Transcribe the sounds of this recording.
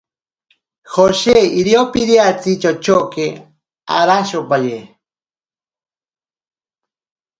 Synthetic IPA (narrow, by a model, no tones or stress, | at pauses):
hoʃeiɾiopiɾiat͡sit͡ʃot͡ʃoke | a̰ɾaʃopaje